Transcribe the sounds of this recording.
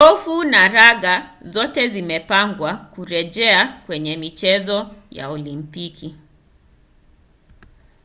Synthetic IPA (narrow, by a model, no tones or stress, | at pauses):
kɔfunaɾaɣazɔtɛzimɛpaŋɡwakuɾɛʄɛakwɛɲɛmit͡ʃɛzɔja̰ɔlimpiki